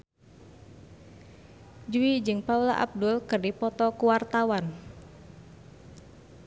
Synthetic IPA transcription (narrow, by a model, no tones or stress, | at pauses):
d͡ʒuid͡ʒɨŋpaula̰ʔa̰b̚dulkɨrdipɔt̪ɔkuwart̪awan